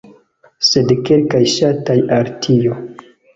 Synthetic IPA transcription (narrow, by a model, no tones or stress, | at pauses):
se̞dke̞lkajʃatajaɾtʰijo